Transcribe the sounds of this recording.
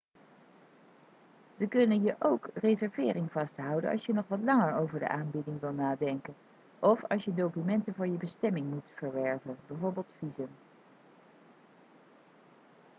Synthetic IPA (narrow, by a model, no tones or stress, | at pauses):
z̥əkɵnənjəʔowkrezɛɹvɪːrɪŋvɑstɦʌwdə̰nɑ̰lˠsjənɔχʋɑtlɑŋəɹowvəɹdə̰ʔaːnbɪdɪŋʋɪlˠnaːdɛŋkən | ʔɔfɑ̰lˠsjədowkymɛntənvʊːɹjəbəstɛmɪŋmutfəɹʋɛɹvənbɛvoːɹbɪːlˠtfizəm